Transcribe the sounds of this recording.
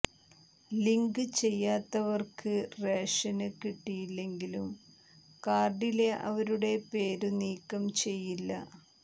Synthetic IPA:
liŋɡɨt͡ɕe̞jːaːt̪ːɐʋɐrkʰɨre̞ːʂɐnɨkiʈːijilːe̞ŋɡilum | kaːrɖile̞ʔɐ̰ʋɐɾuɽe̞pe̞ːɾuniːkːɐmt͡ɕe̞jːilːɐ̰

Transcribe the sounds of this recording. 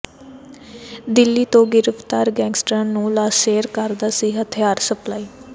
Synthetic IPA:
d̪ɪlːiːt̪õːɡɪɾəft̪aːɾɡɛ̃ːŋɡsʈɾaːnnũːlaːseːɾkəɾd̪aːsiːɦət̪ʰɪjaːɾsəplaːiː

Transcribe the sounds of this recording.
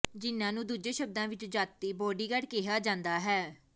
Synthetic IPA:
d͡ʒɪnːãːnũːd̪uːd͡ʒeːʃəb̚d̪ãːʋɪt͡ʃd͡ʒaːt̪ːiːbɔːɖiːɡəɽkeːɦaːd͡ʒãːnd̪aːɦɛː

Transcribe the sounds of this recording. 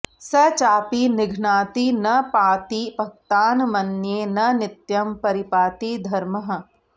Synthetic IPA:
sɐt͡ʃaːpinɪɡʱnaːt̪inɐpaːt̪ibʱɐk̚t̪aːnmɐnjeːnɐnɪt̪jɐmpɐɾɪpaːt̪id̪ʱɐɾmɐɦɐ̆

